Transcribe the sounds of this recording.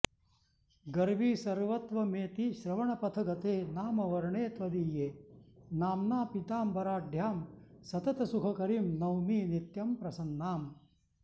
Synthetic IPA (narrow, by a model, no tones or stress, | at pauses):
ɡɐɾʋiːsɐɾʋɐt̪ʋɐmeːt̪iʃɾɐʋɐɳɐpɐt̪ʰɐɡɐt̪eːnaːmɐʋɐɾɐɳeːt̪ʋɐd̪iːjeːnaːmnaːpit̪aːmbɐɾaːɖ̪ʱjaːm | sɐt̪ɐt̪ɐsukʰɐkɐɾiːmnɐwmiːnit̪jɐmpɾɐsɐnːaːm